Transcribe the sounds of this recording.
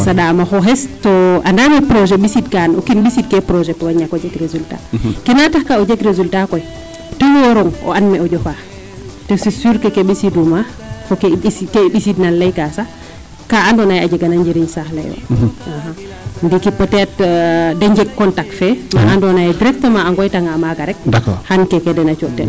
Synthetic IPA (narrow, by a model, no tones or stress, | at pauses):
saɗamaxɔɦɛstɔʔandamɛpɾɔʒɛɓisidkanɔ̰kinɓisid̚kɛpɾɔʒɛpɔwaɲːakɔd͡ʒɛɡɾezulta̰kɛnatahkaɔd͡ʒɛɡɾezultakɔj | tɔwɔɾɔŋʔɔ̰ʔanmɛɔd͡ʒɔfa | tɛsisuɾkɛkɛɓisiduma | fɔkkɛiɓisidnanlɛjkasa | kaandɔnajad͡ʒɛɡanaɲd͡ʒiɾiɲsahlɛ̰jɔ̰aɦa | ndikipɔtɛtdɛɲd͡ʒɛɡ̚kːɔntak̚tfɛma̰ʔandɔnajɛdiɾɛktɔmaːŋɡɔjtaŋamaɡaɾɛk̚dakɔhankɛkɛdɛnat͡ʃɔtːɛ̰l